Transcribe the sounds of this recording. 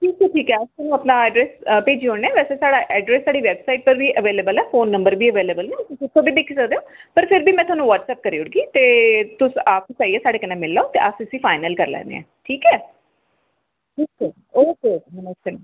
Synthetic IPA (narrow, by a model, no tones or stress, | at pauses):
ʈʰiːkɛːʈʰiːkɛːəst̪anũːəpnãːɛːɖɾɛːspeːd͡ʒiːõːɽ̃eɛːʋɛːseːsaːɽaʔɛːɖɾɛːsːaːɽiːʋɛːbsaːiʈ̚pəɾʋiːʔəʋeːleːbəlɛːfoːnːə̃mbəɾbiːəʋeːleːbəlnẽːssʊt̪ʰːõːbiːd̪eːkʰiːsəkd̪eoːpəɾpʰɪɾbiːmɛ̃ːt̪ʊɦaːnũːʋəʈsɛːp̚kəɾiːʊɽɡiːt̪eːt̪ʊsaːkt͡ʃaːiɛːsaːɽeːkənẽːmɪlːaːoːt̪eːʔasɪsiːfaːɪnəlkəɾlɛ̰̃ːnd̪ḛɛ̰̃ːʈʰiːkɛː | ʈʰiːkɛː | oːkemɛnəʃʰən